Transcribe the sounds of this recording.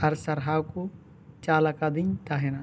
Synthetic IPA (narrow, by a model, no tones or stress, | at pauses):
ɐɾsɐɾɦaːwko | t͡ʃaːlakad̪ĩnt̪aːɦena